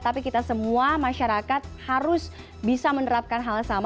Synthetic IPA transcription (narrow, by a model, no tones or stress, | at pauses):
t̪apikit̪asəmuamaʃaɾakat̪̚haɾʊs | bisamənəɾap̚kanɦalsam